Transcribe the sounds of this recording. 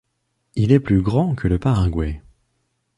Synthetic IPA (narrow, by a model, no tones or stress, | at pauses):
ilɛplyɡʁɑ̃kʰələpaʁaɡwɛ